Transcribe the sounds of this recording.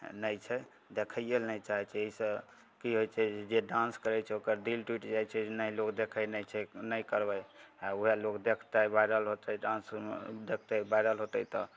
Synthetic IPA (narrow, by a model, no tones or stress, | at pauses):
nəjt͡ʃʰɛ | d̪ekʰəijelnəjt͡ʃaɦɛt͡ʃʰɛeisə̃ | kiɦojt͡ʃʰɛd͡ʒeɖãnskəɾɛt͡ʃʰɛokəɾɖilʈwiʈd͡ʒajt͡ʃʰɛnəjlokd̪ekʰəjnəjt͡ʃʰɛnəjkəɾbəauɦelokd̪ekʰt̪abajɾəlɦot̪əɖãnsd̪ekʰt̪əbajɾəlɦot̪ət̪ɔ